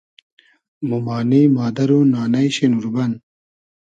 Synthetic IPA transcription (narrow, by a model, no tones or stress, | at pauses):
mumɑːnimɑːd̪ɐɾunɑːnɐjɕenuɾbɐn